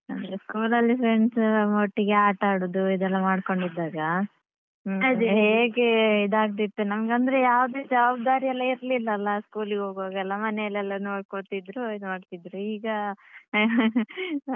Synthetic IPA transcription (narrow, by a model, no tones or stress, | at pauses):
ɐnd̪ɐɾeskuːlɐlːipɾe̞ɳsmoʈːiɡeaːʈaːɽoːd̪uid̪ɛlːɐmaːɽko̞ɳɖid̪ːaːɡɐ | ɐd̪uɦeːɡeid̪aːɡ̚d̪it̪ːunɐmɡɐnd̪ɐɾejaːʋd̪eːd͡ʒɐʋaːb̚d̪aːɾijɛlːɐiɾlilːɐːlːɐskuːliɡeoːɡaːɡɛlːɐmɐnɛɐlɛlːɐnoːɽkot̪id̪ɾuid̪maːɖt̪id̪ɾuiːɡɐ